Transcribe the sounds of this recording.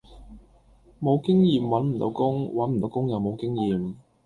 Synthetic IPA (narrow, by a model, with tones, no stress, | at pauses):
mo˨˧wkɪ˥ŋjiː˨˧mwɐ˨˥nm̩˨˩t̪o̰˨˧wkʊ˥ŋwɐ˨˥nm̩˨˩o˨˧wkʊ˥ŋjɐ˨wmo˨˧wkɪ˥ŋjiː˨m